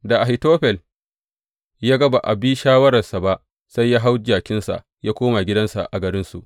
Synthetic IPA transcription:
da˨ʔa˨ɦi˨toː˦ɸɛ˨l | jaː˦ɡɐ˦ba˨ʔa̰˨bi˦ʃaː˦wɐ˦ɾɐ˨sa˨ba˦ʔ | sa˦jːaː˦ɦa˦wd͡ʒaː˨kʲɪ˦nsa̰˨ʔ | jaː˦kʷoː˦ma˨ɡʲɪ˦dɐ˦nsa̰˨ʔa˨ɡɐ˨ɾɪ˦nsu˨ʔ

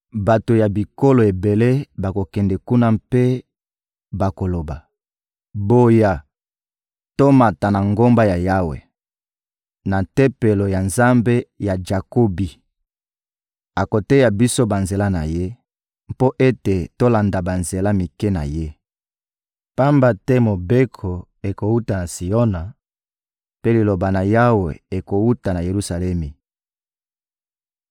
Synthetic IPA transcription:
ba˨to˨ja˨bi˨ko˦lo˨e˨be˨le˦ba˨ko˨kɛ˨ndɛ˨ku˦na˦mpe˦ | ba˨ko˨lo˨ba˨ | bo˨ja˨ | to˦ma˨ta˨na˨ŋɡo˦mba˦ja˨ja˦wḛ˨ | na˨tɛ˦pe˨lo˨ja˨nza˦mbe˦ja˨d͡ʒa˨ko˦bi˨ | a˨ko˨te˦ja˨bi˦so˦ba˨nze˨la˦na̰˨je˦ | mpo˦ʔe˦te˨to˦la˨nda˨ba˨nze˨la˦mi˨kɛ˦na̰˨je˦ | pa˦mba˨tɛ˦mo˨be˦kʰo˨ | e˨ko˨u˦ta˨na˨si˨jo˦na˨ | pe˦li˨lo˨ba˨na˨ja˦we˨e˨ko˨wu˦ta˨na˨je˨ʁu˦sa˨lɛ˦mi˨

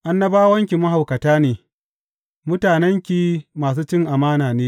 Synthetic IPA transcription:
ʔa˦nːɐ˦baː˦wɐ˦ŋkʲi˨mɐ˦ɦa˨wkɐ˨taː˦neː˨ | mʊ˦taː˨nɛ˦ŋkʲi˦maː˨s̬uː˦t͡ʃɪ˦ŋʔa˨maː˦naː˨neː˦

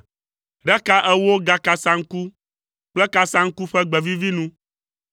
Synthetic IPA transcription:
ɖɛ˦ka˦ʔɛ˦wo˦ɡa˨ka˨sa˦ŋ̩˦ku˦ | k͡plɛ˦ka˨sa˦ŋ̩˦ku˦ɸɛ˦ɡ͡bɛ˨vi˦vi˦nũ˦

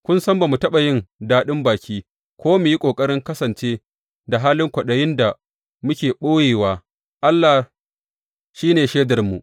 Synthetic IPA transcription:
kʷʊ˦nsɐ˦mba˨mu˨tɐ˦ɓa˨jɪ˦ndaː˦ɗɪ˦mbaː˨kʲiː˦ | kʰʷoː˦me˨ji˦kʷʼoː˨kʼɐ˦ɽɪ˦ŋkɐ˦sɐ˨nt͡ʃeː˦ | da˨ɦaː˦lɪ˦ŋkʷɐ˨ɗɐ˨jɪ˦nda˨ | mʊ˦kʲeː˨ɓoː˦jeː˨waː˦ | ʔa˦lːa˨ | ʃiː˦neː˨ʃeː˦dɐ˨rmu˨ʔ

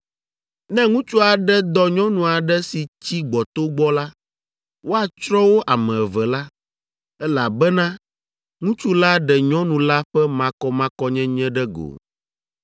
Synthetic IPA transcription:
nɛ̃˦ŋũ˦t͡ʃu˦a˨ɖɛ˦d̪ɔ˦ɲɔ̃˦nũ˨a˨ɖɛ˦si˨t͡ɕi˦ɡ͡bɔ˨t̪o˦ɡ͡bɔ˦la˦ | wo˦a˨t͡ʃɾɔ˦wo˦ʔa˨mɛ̃˨ɛ˨vɛ˨la˦ | ɛ˦la˨bɛ˦nã˦ | ŋũ˦t͡ʃu˦la˦ɖɛ˨ɲɔ̃˦nũ˨la˦ɸɛ˦mã˨kɔ˦mã˦kɔ˦ɲɛ̃˦ɲɛ̃˦ɖɛ˦ɡo̰˨

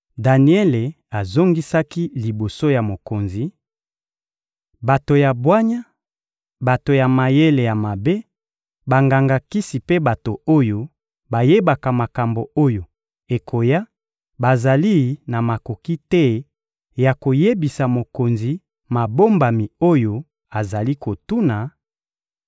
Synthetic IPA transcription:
da˨ni˦ɛ˦le˨ | a˨zo˦ŋɡi˦sa˦ki˦li˨bo˨so˦ja˨mo˨ko˨nzi˨ | ba˨to˨ja˨bwa˦ɲa˦ | ba˨to˨ja˨ma˨je˦le˨ja˨ma˨be˦ | ba˨ŋɡa˨ŋɡa˨ki˦si˨pe˦ba˨to˨o˦jo˦ | ba˨je˦ba˨ka˨ma˨ka˨mbo˨o˦jo˨ | e˨kʰo˨ja˦ | ba˨za˨li˦na˨ma˨ko˨ki˦tɛ˦ | ja˨ko˨je˦bi˨sa˨mo˨ko˨nzi˨ | ma˨bo˦mba˨mi˨o˦jo˦ | a˨za˨li˦ko˨tu˦na˨

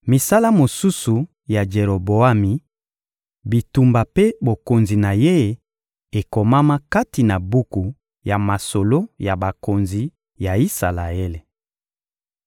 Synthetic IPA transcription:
mi˨sa˦la˦mo˨su˦su˨ | ja˨d͡ʒe˨ʁo˨bo˨a˦mi˨ | bi˨tu˨mba˨pe˦bo˨ko˨nzi˨na˨je˦˨ | e˨ko˨ma˦ma˦ka˦ti˨na˨bu˦ku˨ | ja˨ma˨so˨lo˦ja˨ba˨ko˨nzi˨ | ja˨i˦sa˨la˨e˦le˨

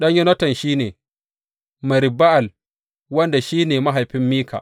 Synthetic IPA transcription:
ɗɐ˦ɲjɛ˦nɐ˦tɐ˨nʃiː˦neː˨ | mɐ˨ɾɪ˨ba˦ʔa˨l | wɐ˦nda˨ʃiː˦neː˨ma˦ɦa˨jɸɪ˦mːiː˦ka̰˨

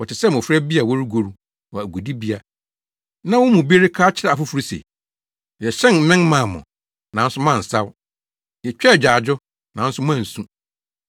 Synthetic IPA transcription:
wɔ˨tɪ˨sɛ˦˨m˨ʊ̃˨fɾɛ˦bi˦a˨wɔ˦ɾi˦ɡo˨ɾu˦ | wɔ˨æ˨ɡʷu˨di˦bi˦a˨ | nã˦wʊ̃˦mũ˨bi˦e˦ɾɪ˦kʰaː˦t͡ɕʰɪ˦a˨a˨fʊ˦fu˨˦ɾi˦sḛ˨ | jɛ˨ɕɛ̃˦nm̩˦mɪ̃˦n˦mã˨mʊ̰̃˨ | nã˨˦n˦sʊ˦mã˦˨n̩˨sa˦w | jɛ˨t͡ɕᶣɛ˦˨d͡ʑᶣaː˨d͡ʑʊ˦ | nã˨n̩˦sʊ˦mʊ̃˦ã˦˨n̩˨sũ˦

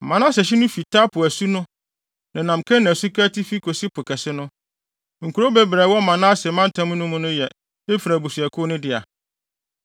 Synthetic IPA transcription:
mã˨nã˦sɛ˨ɕ̬ɪ˦nʊ̃˦fi˨tʰa˦pʰʊ˨æ˨su˦nʊ̃˦ | nã˨nã˨m˨kʰɛ̃˦nã˨su˦kʰa˦tʰi˦fi˦kʰo˨si˦pʰʊ˨kʰɛ˨sɪ˦nʊ̃˦ | ŋ̩˨kʰu˨ɾo˦bɛ˦bɾɛ˨wɔ˦mã˨nã˦sɛ˨mã˦n̩˦tʰã˦mʊ̃˦nʊ̃˦mʊ̃˦nʊ̃˦jɛ˨ | e˦fɾæ˨bu˨sɥɛ˨kʰʊ˦nʊ̃˦dɪ˨a˨

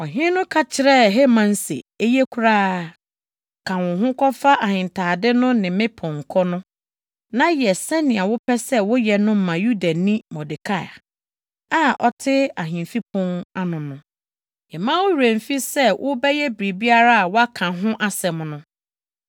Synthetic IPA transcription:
ɔ˨ɦɪ̃˦nʊ̃˦kʰa˦t͡ɕʰɪ˨ɾɛ˦˨ɦe˦mã˨n̩˦sḛ˨e˦je˦kʰu˦ɾaː˦ | kʰã˨wʊ̃˨ɦʊ̃˦kɔ˦fa˦ʔa˨hɪ̃˨n˨tʰaː˨dɪ˦nʊ̃˦nɪ̃˨mɪ̃˦pʰɔ̃˨ŋ̩˨kʰɔ˦nʊ̃˦ | nã˦jɛ˨sɛ˦nɪ̃˨a˨wʊ˦pʰɛ˦sɛ˦wʊ˦jɛ˨nʊ̃˦m˦mːã˨ju˦da˨nĩ˦mɔ˨dɪ˨kʰa˦˨a˨ | a˦ʔɔ˦tʰɪ˦a˨ɦɪ̃˨m˨fi˦pʰʊ̃˦ŋa˦nʊ̃˨nʊ̃˨ | jɛ˨mã˦wʊ˦hu˨ɾẽ˨m˨fi˦sɛ˦wʔʊ˦bɛ˦jɛ˦bɾi˨bi˦a˦ɾa˦a˨wɔ˦a˦kʰã˨ɦʊ̃˦ʔa˦sɛ˨m˨nʊ̃˦

